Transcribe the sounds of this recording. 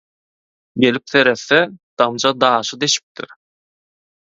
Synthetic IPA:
ɡe̞lip̚θe̞ɾeθːed̪̥ɑmd͡ʒɑd̪ɑːʃɯd̪eʃi̥p̚t̪ʰḭɾ

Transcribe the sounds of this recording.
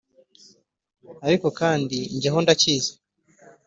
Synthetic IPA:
aɾiko̞kaːndiɲɟeɦo̞ndacizḁ

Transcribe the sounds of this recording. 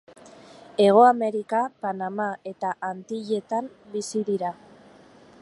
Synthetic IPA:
e̞ɣ̞o̞ame̞ɾikapanamae̞t̪aʔant̪iʎe̞t̪am | bisiðiɾa

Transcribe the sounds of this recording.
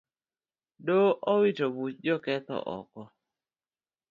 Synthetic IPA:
doʔɔwitobut͡ʃ̚d͡ʒɔkɛt̪ɔ̰ʔɔ̰kɔ

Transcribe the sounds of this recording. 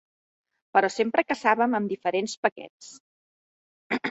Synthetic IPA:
pəɾɔsempɾəkəsaβəməmd̪ifəɾenspəkɛ̰t͡s

